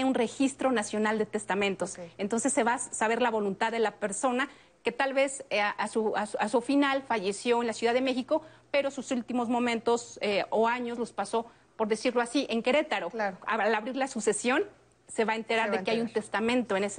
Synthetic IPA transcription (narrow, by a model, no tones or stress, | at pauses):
unre̞xist̪ɾo̞nasjo̞nald̪e̞t̪e̞st̪amẽ̞nt̪o̞sent̪o̞nse̞sːeβasaβe̞ɾlaβo̞lunt̪aððe̞lape̞ɾso̞na | ke̞t̪alβe̞sʔasuasasufinalfaʝe̞sjo̞enlasjuðaðeme̞xiko̞pe̞ɾo̞susult̪imo̞zmõ̞mẽnt̪o̞seoaɲo̞zlo̞spaso̞ | po̞ɾðe̞siɾlo̞asiʔe̞ŋke̞ɾe̞t̪aɾoaalaβɾiɾlasuse̞sjo̞n | se̞βae̞nt̪e̞ɾaɾðekeajunt̪e̞st̪amẽnt̪oenes